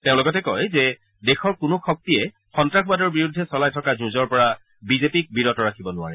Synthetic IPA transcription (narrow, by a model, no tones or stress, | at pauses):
teʊ̃lʊɡɔtɛkɔjzɛ | dɛxɔɹkʊnʊxɔk̚tiɛ | xɔntɹaxʰbadɔɹbiɹudʱːɛsɔlajtʰɔkazuzɔɹpɔɹa | bizepik̚biɹɔtɔɹakʰibɔnʊa̰ɹɛ